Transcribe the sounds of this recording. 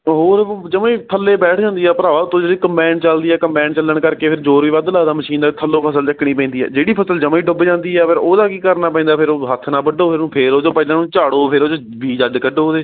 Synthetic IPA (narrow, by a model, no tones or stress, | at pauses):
ɦoːɾd͡ʒəmãːiːpʰəlːeːbɛːʈʰd͡ʒãːnd̪iːɛːpəɾaːat̪ʰːõːd͡ʒeːɽiːkəmpɛːɳɖt͡ʃəld̪iːɛːkəmpɛ̃ːɳt͡ʃəlːəɳkəɾkeːpʰɪɾd͡ʒoːɾʋiːʋəd̪laːd̪aːməʃiːnd̪aːt̪ʰəlːoːpʰəsəlt͡ʃəkɽ̃iːpɛ̃ːnd̪iːɛ̰ːd͡ʒeːɽiːpʰəsəld͡ʒəmãːiːɖʊbeːd͡ʒãːnd̪iːɛːpʰɪɾoːd̪aːkiːkəɾnaːpɛ̃ːnd̪aːpʰɪɾoːɦət̪ʰnãːbəɖoːpʰɪɾnũːpʰeːɾoːd͡ʒoːpəɪlãːnũːt͡ʃaːɽoːpʰɪɾoːd͡ʒoː | ʋiːd͡ʒəɖkəɖoːd̪eː